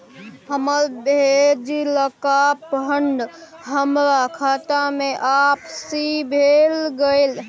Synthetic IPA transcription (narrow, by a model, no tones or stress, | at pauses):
ɦəməɾbed͡ʒiləkapɦəɳɖɦəmɾakʰat̪ameʔapsibʱelɡəɪl